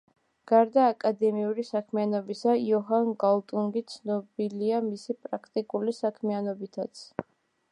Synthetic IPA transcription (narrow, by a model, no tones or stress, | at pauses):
ɡ̥aɾd̪aːkʼad̪ɛmiuɾisakʰmianɔbisaiɔɦanɡalˠt̪ʼuŋɡit̪sʰnɔbiliamisipʼɾakʰt̪ʼikʼulisakʰmianɔbit̪ʰat̪sʰ